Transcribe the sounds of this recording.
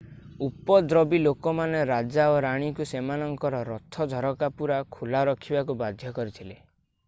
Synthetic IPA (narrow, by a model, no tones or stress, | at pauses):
upɔd̪ɾɔbilokɔmaneɾad͡ʒaoɾaɽ̃ikusemanɔŋkɔɾɔɾɔt̪ʰːɔd͡ʒʱɔɾɔkapuɾakʰulaɾɔkʰibakubad̪ʱjɔkɔɾit̪ʰile